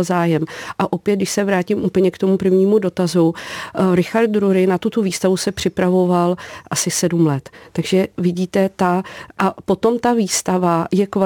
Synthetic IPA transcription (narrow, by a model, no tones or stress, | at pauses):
lzaːjɛmʔaʔo̞pjɛt̪̚dɪʃsɛvɾaːcimʔuːpl̩ɲɛkt̪o̞mupr̩vɲiːmudo̞t̪azuɾɪxaɾt̪̚dɾuɾɪnat̪ut̪oviːst̪avusɛpr̝̥ɪpɾavo̞valʔasɪsɛdumlɛt̪ːaɡʒɛvɪɟiːt̪ɛt̪aʔapo̞t̪o̞mt̪aviːst̪avajɛkva